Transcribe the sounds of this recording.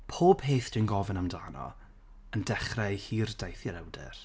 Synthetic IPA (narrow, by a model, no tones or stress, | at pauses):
pʰoːb̥heːθd̥winɡɔvənamdaːnɔ̰ | əndɛχrɛjhiːrdajθjəɾɛwdɛ̰r